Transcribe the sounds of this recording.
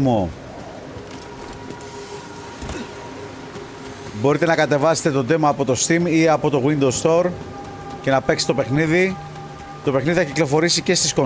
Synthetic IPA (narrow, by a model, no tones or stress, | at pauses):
mo | bo̞ɾit̪e̞nɐkɐt̪e̞vɐse̥t̪e̞t̪o̞d̪e̞mɐːpo̞t̪o̞st̪imiɐpo̞t̪o̞ɣwind̪o̞st̪o̞ɾ | ce̞nɐpekst̪ope̞xniði | t̪o̞pexniðiθɐciklo̞fo̞ɾisice̞st̪isko̞